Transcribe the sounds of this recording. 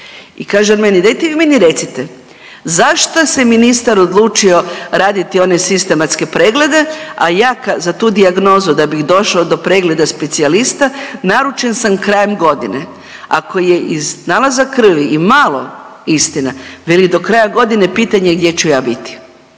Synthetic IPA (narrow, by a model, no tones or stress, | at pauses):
ikaːʒenmenid̪ajt̪eʋiminiɾet̪sit̪e | zaʃt̪oseminist̪aɾod̪lˠuːt͡ʃio̞ɾaːd̪it̪io̞ne̞sist̪e̞mat̪ske̞pɾeːɡle̞d̪e̞ajaːkazat̪uːd̪iaɡno̞zud̪abiɣd̪o̞ʃaod̪o̞pɾe̞ɡle̞d̪aspe̞t̪sialist̪anaɾut͡ʃe̞nsamkɾaːjemɡo̞d̪ḭnḛ | a̰ko̞je̞ʔiznalˠazakr̩ʋiimaːlˠo̞̰ist̪inaʋelid̪o̞kɾajaɡo̞d̪inepiːt̪aɲe̞ɡ̚d̪je̞t͡ɕujaːbit̪i̥